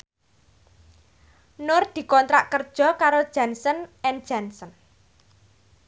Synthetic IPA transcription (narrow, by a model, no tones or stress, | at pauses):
nʊrd̪̥i̤kɔnt̪ɾaʔkərd̥ʒ̥ɔ̤kaɾod̥ʒ̥a̤nsənɛnd̥ʒ̥a̤nsən